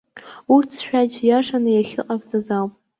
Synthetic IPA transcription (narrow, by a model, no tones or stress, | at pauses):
urtʰʃᶣad͡ʒjaʂanɨjaχʲɪ̰qʼakʼt͡sʼazawpʼ